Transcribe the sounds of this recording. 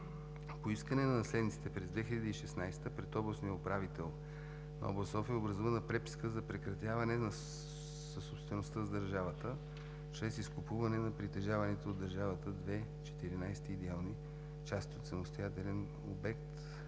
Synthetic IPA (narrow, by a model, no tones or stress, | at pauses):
poiskənɛnɐnɐslɛd̪nit̪si̥t̪ɛpɾɛzd̪vɛxilʲɐd̪iiʃɛsnajst̪əpɾɛt̪ɔblˠəsnijəopɾavit̪ɛlˠ | nɔ̰blˠɐsɔfiəobɾɐzuvənɐpɾɛpi̥skəzɐpɾɛkɾɐt̪ʲjavɐnɛnɐ | sɐsopst̪vɛnost̪əzd̪əɾʒavət̪ə | t͡ʃɾɛsiskʊpuvɐnɛnɐpɾit̪ɛʒavɐnɛt̪ooːd̪ːɐɾʒavət̪əd̪vɛ | t͡ʃɛ̥t̪iɾinajst̪iːd̪ɛalˠni | t͡ʃast̪ʲot̪sɐmost̪ojat̪ɛlɛn | o̰bɛkt̪